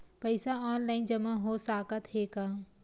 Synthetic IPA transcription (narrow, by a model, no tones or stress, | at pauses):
pəɪsaɔːnlaːɪnd͡ʒɐmaɦosaːkat̪heːkaː